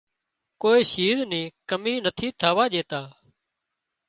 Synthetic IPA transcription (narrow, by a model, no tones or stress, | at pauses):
koːiːʃiːznĩːkəmiːnət̪ʰiːt̪ʰaːʋaːʄeːt̪aː